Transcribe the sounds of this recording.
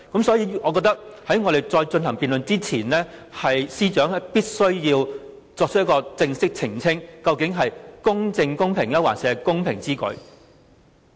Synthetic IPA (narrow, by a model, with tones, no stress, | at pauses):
kɐ˨˥msɔː˨˥jiː˧ɔː˨˧kɔː˧k̚t̪ɐ˥k̚hɐ˨˥jŋɔː˨˧ɾe˨˩jt͡sɔː˧jt͡ʃɵ˧nhɐ˨˩ŋpiː˨nlɵ˨nt͡siː˥t͡sʰiː˨˩nɛː˥hɐ˨jsiː˥t͡ʃœː˨˥ŋ˥piː˥t̚sɵ˥ɥjiː˧w | t͡sɔː˧k̚t͡ʃ̚ʰjɐ˥kɔː˧t͡sɪ˧ŋsɪ˥k̚t͡sʰɪ˨˩ŋt͡sʰɪ˥ŋkɐ˧wkɪ˨˥ŋɦɐ˨jkʊ˥ŋt͡sɪ˧ŋkʊ˥ŋpʰɪ˨˩ŋjɐ˥wa̰ː˨˩nsɛː˨˧kʊ˥ŋpʰɪ˨˩ŋt͡siː˥kɵ̰˨˧ɥ